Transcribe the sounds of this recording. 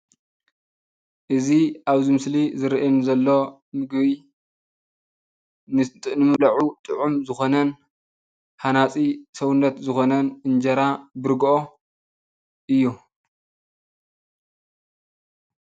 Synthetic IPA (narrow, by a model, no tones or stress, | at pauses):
ʔɨziʔaβzimɨslizɨɾʔinzɐlːo̞ | mɨɡβi | nɨtʼnɨmɨlɐʕut̪ʼɨʕumzɨxo̞nɐn | ħanat͡sʼisɐwunːɐt̪zɨxo̞nɐnɨnd͡ʒɐɾabɨɾɡʔo̞ | ʔɨjːu